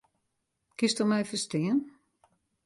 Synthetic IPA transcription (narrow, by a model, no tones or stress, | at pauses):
kɪstɔmɛjfəstɪən